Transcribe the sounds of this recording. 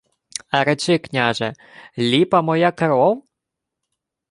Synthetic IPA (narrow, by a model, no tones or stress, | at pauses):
ɐɾɛt͡ʃɪknʲaʒɛ | lʲipɐmɔjakɐɾɔw